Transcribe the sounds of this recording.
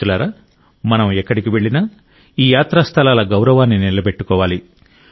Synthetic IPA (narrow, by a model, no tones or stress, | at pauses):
ulaːɾa | mɐnɐmɛkːɐɽikiʋe̞ɭːinɐ | iːjaːt̪ɾast̪ʰɐlaːlɐɡɐwɾɐʋaːnːinilɐbe̞ʈːukɔːʋaːli